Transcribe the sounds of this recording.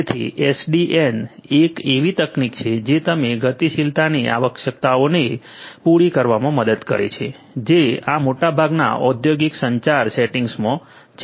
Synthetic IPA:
t̪ʰḭʔesɖiʔenekeʋit̪əknikt͡ʃʰed͡ʒet̪əmeɡət̪iʃilt̪aniʔa̰ʋəkʃək̚t̪aone | puɽikəɾʋamãməd̪əd̪kə̰ɾḛt͡ʃʰe | d͡ʒeamoʈabʱaɡna̰ʔɔd̪joɡiksəɲt͡ʃaɾsɛʈiŋɡsmõ | t͡ʃʰ

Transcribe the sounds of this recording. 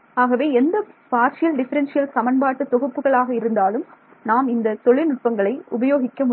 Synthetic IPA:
aːɣɐʋeːɛnd̪ɐpaːɾt͡ʃɪjɐlɖɪfɐɾɛnsɪjɐlsɐmɐnbaːʈːɐt̪ːɔɣɯpːɯɣɐɭaːɣɐɪɾɯnd̪aːlɯm | naːmɪnd̪ɐt̪ɔɭɪnʊʈ̚pɐŋɡɐɭɐɪʊbɐjoːɣɪkːɐmʊ

